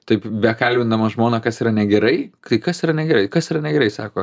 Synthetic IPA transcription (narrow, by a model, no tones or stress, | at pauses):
t̪ɐɪpbʲɛkɐlʲbʲɪnd̪ɐmɐʒmoːnɐkɐsiːɾɐnʲɛɡʲɛɾɐɪt̪ɐɪkɐsiːɾɐnʲɛɡʲɛɾɐɪkɐsiːɾɐnʲɛɡʲɛɾɐɪsɑːkoː